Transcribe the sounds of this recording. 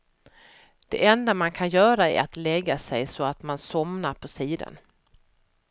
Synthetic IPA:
d̪̥ɛʔɛnd̪amankʰanjœːɾaæ̰ɾat̪lɛɡːasɛjsɔat̪mansɔmnaɾpʰɔsiːd̪a̰n

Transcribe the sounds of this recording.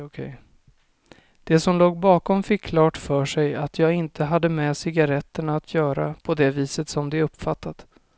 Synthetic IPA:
kʰɛj | d̪̥ɛsɔmloːɡbɑːkɔmfɪkːʰlɑːʈfœːʂɛjat̪ʰjɑːɡɪnt̪ʰəɦad̪ːəmɛsɪɡaɾɛt̪ːəɳaːt̪ʰjœːɾa̰pʰɔd̪ɛviːsət̪sɔmd̪ɛɵpːfat̪ːat̪

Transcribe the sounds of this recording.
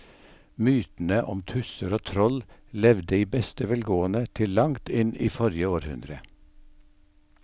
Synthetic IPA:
myːt̪n̩əʔɔ̰mt̪ʰʉsəɾoːt̪ʰɾɔllɛʋd̪əiːbɛst̪əʋɛlɡoːənət̪ʰɪllːɑŋt̪ɪnḭːfɔɾjəoːɾhʉ̰nd̪ɾə

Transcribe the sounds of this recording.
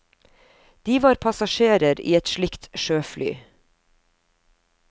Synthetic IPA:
d̪̥iːʋɑːɾpʰɑsɑʃeːɾəɾḭːɛt̪ʃlɪkt̪ʃøːfly̰ː

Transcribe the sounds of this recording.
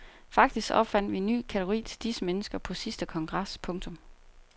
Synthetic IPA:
fɑ̈ɡ̥d̥isɡ̥ɒ̽b̥fæn̰d̥ʋinːy̰ːkʰæt͡sʰɡ̥oʁḭːt͡sʰe̝ld̥isəmenəsɡ̥ɐpʰɒ̽sisd̥əkʰɒ̽ŋɡ̥ʁɑ̈spʰɔ̽ŋt͡sʰɔ̽m

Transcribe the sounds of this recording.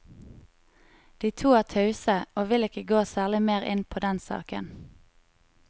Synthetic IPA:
d̪̥iːt̪ʰuːæːʁt̪ʰœʉsəoːʋɪlɪkəɡoːsæːʁlɪmeːʁɪ̰npʰoːd̪ɛnsɑ̰ːkə̰n

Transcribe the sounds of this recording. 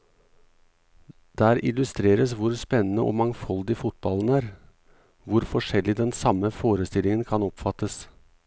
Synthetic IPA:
d̪̥æːɾɪlʉst̪ɾeːɾəsʋʊɾspɛnːənəʔo̰ːmɑŋfɔld̪ɪfʊt̪̚bɑlən̩æːɾ | ʋʊɾfɔʂɛlːɪd̪ɛnsɑməfoːɾəst̪ɪlɪŋənkʰɑnɔpfɑt̪ːəs

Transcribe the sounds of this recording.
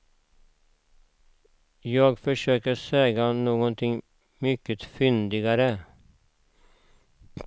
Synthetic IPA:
jɑːɡfœʂøːkəɾsɛːɡanoːɡɔnt̪ʰɪŋ | mʏkːət̪fʏnd̪ɪɡaɾə

